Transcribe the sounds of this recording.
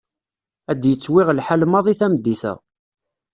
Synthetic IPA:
æd̪jət͡sːwɪʁlħalmɑðˤiθæmd̪ːiθæ̰

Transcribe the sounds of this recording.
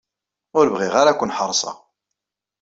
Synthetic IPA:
ʊɾbʁiʁaɾakʷːənħəɾˤːsˤɑ̰

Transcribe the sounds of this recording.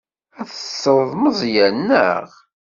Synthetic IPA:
æθə̥sˤːəɾˤəðˤməzˤjænːə̰ʁ

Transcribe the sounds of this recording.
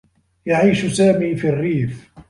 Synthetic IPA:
jaʕiːʃsaːmiːfirːiːf

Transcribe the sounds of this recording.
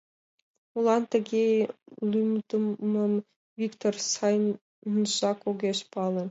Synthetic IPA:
ulˠɑnt̪ə̆ɡʲelʲymd̪əmɤm | vʲikt̪orsɑj | nʃɑkoɡʲeʃpɑlˠɤ̆

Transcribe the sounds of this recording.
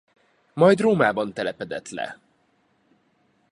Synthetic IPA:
mɒjd̪roːmaːbɒnt̪ɛlɛpɛd̪ɛt̪lɛ̰

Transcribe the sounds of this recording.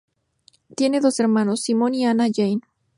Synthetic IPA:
t̪je̞ne̞ðo̞se̞ɾmãno̞sːimõ̞nianaʝejn

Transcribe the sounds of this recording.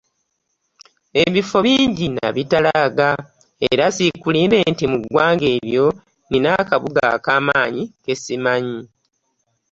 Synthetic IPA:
e̞βifo̞βiːɲɟina̰βitalaɡa | eɾasikuliːbe̞ntimuɡwaːŋɡe̞ːβjo̞ | ninakaβuɡa̰kaːmaːɲike̞simaɲi

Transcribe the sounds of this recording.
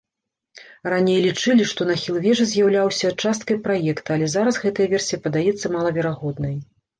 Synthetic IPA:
ranʲejlʲit͡ʂɨlʲiʂt̪ɔnɐxʲilˠvʲɛʐɨzʲjawlʲawsʲɐːt͡ʂast̪̚kɐjpɾajɛkt̪ɐɐlʲɛzaɾɐzɣɛt̪ɐjɐvʲɛrsʲijɐpɐd̪ajɛt̪sːɐmalˠɐvʲɛɾaɣɔd̪nɐj

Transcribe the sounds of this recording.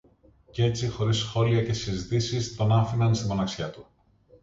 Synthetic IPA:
cee̞t͡sixo̞ɾisxo̞liɐce̞sizit̪isist̪o̞nɐfinɐnst̪imo̞nɐksçɐt̪u

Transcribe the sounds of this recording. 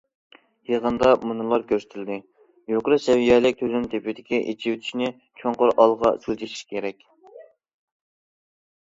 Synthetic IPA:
jeʁənd̪ɑmunɨlˠɑɾkʲøɾsɪ̥t̪ʰɪld̪ɪ | joqəɾɨsɛwijɛlɪk̚ʲt̪ʰøzynt̪ʰepɪd̪ɪkʲiʔḛt͡ʃʰiwt̪ʰy̥ʃnɪ | t͡ʃʰoŋqoɾɑlˠʁɑ̰sylʲt͡ʃ̪ʰiʃi̥ʃkʲʰeɾɛkʲ

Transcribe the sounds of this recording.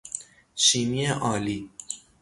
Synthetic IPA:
ʃiːmieʔɒːliː

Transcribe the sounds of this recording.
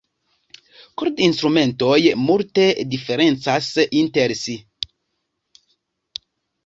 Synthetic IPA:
koɾd̪inst̪ɾument̪ojmult̪ed̪ifeɾensasint̪eɾsi

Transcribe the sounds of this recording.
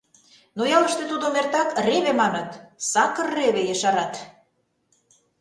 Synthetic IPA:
nojɑlə̆ʃt̪ĕt̪ud̪omert̪ɑkreβemɑnɤ̆t̪sɑkə̆rːeβejəʃɑɾɑt̪

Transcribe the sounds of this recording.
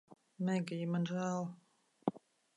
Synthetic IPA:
mɛɡijimanʒæːlˠ

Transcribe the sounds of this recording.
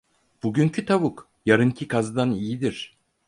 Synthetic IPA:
b̥uɟyŋcʰyt̪ʰaβuk | jaɾɯŋcʰikazd̪anijid̪iɾ̥

